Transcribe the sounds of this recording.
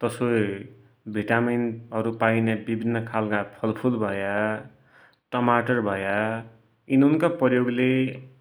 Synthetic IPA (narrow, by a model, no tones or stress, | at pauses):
t̪ʌso | bʱiʈaminɦʌɾupainebibʱinːʌkʰalkapʰʌlpʰulbʱʌja | ʈʌmaʈʌrbʱʌja | inunkapʌjoɡle